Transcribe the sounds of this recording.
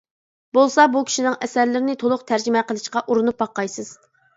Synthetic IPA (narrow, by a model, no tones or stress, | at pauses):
bolˠsɑbukʲʰi̥ʃinɪŋɛsæɾlɪɾɪnɪt̪ʰolˠʊqt̪ʰæɾd͡ʒɪmɛqəlˠɨʃqɑʔuɾunup̚bɑqːɑjsɨz̥